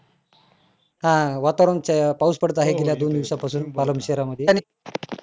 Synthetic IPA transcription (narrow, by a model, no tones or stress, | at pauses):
ɦãʋat̪aɾənpauspəɽət̪aɦeɡeljad̪ond̪iʋsapasuːnpaləmɕeɾaməd̪ʱːjeni